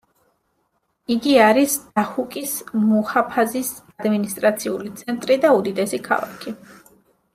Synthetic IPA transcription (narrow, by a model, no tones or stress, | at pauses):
iɡiaɾisd̪̥ahukʼismuhapʰazisad̪minist̪ʼɾat̪sʰiulit̪sʰɛnt̪ʼɾid̪aud̪id̪ɛsikʰa̰lˠa̰kʰi